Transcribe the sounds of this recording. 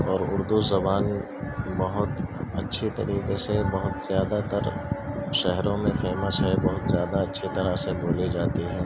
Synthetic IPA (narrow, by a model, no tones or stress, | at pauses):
ɔːɾʊɾd̪uzɐbaːn | bɐɦʊt̪ɐtːʃʰit̪ɐɾiːqesebɐɦʊt̪zjaːd̪at̪əɾʃɛɦɾõmẽfeːmaʃaibɐɦʊt̪zjaːd̪aɐtːʃʰit̪ɐɾasebʱoːlid͡ʒaːt̪iɦɛ̃ː